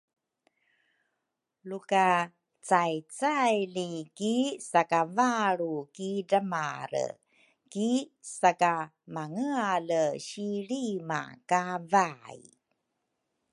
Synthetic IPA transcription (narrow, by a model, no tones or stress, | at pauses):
luka | t͡sajt͡sajlikisakavaɾukidəmaɾə̰ | kisaka | maŋəaləɕiɾima̰kavaj